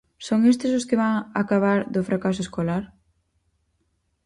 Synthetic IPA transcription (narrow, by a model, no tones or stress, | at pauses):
soŋest̪ɪs̬ʊskɪβaŋa̰kaβ̞aɾðʊfɾakasʊeskolaɾ